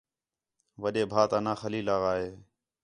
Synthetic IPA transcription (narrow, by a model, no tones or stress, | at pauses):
ʋəɗeːbʱaːt̪ənãːxəliːlaːɣaːɦeː